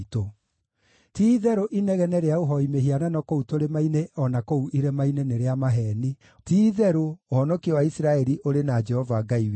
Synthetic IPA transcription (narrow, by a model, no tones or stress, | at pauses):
to | tiːðɛɾoʔinɛɣɛnɛɾeaoɦɔimeɦiananɔkoutoɾemaineɔnakouʔiɾɛmaineneɾeamaɦɛːni | tiːðɛɾoːhɔnɔkiɔwaisɾaɛɾiʔoɾenad͡ʒɛhɔvaːɡaiwe